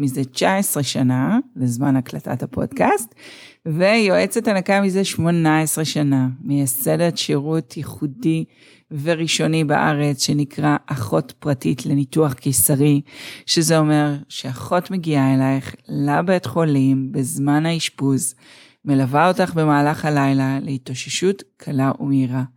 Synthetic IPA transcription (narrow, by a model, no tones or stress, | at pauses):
mizet͡ʃaesʁeʃanabezmanaklata̰thapʰo̞̰d̥kastvejo̞ʔe̞t͡setanakamizeʃmo̞nae̞sʁeʃanamejasedetʃeʁutʰjiχudi | ve̞ʁiʃo̞niba̰ʔa̰ʁet͡sʃe̞nikʁaʔaχo̞tpʁatitle̞nituaχkisaʁiʃezeo̞me̞ʁʃeaχo̞tmeɡiaelaeχlabet̪χo̞limbezmanaiʃbuz | me̞lavao̞taχbe̞maːlaχhalajlalehitoʃeʃutkʰalaʔumiʁa